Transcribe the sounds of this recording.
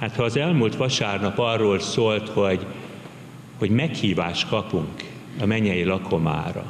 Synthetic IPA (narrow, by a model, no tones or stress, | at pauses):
haːt̪hɒːzɛlmult̪ʋɒʃaːrnɒpɒrːoːlsoːlt̪ho̞ɟ | ho̞ɟmɛkhiːvaːʃt̪kɒpuŋk | ɒmɛɲɛjilɒkʰoma̰ːɾɒ̰